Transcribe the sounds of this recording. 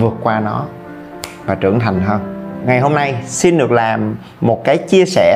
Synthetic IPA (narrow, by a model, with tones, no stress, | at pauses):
vɨ˨˩ət̚kwaː˧nɔ˨˦ | vaː˨˩t͡ɕɨ̰˧˩əŋt̪ʰa˨˩jŋ̟ɦəː˧nŋa˨˩jɦo˧mna˧jsi˧nɗɨ˨˩ək̚laː˨˩mː | o˨˩t̚kaː˨˦jt͡ɕi˧əsɛ˧˩